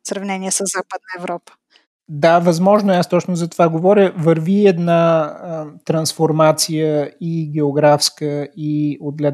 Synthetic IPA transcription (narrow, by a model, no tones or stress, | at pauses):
sɾɐvnɛniɛsəzːapəd̪̚nəɛvɾɔpə̥ | d̪avɐzmɔʒnoɛast̪ɔt͡ʃnʊzɐt̪ovaɡovɔɾʲəvəɾviɛd̪naət̪ɾɐnsfoɾmat̪sijəiɡʲɛoɡɾafskəiod̪ɡlʲɛ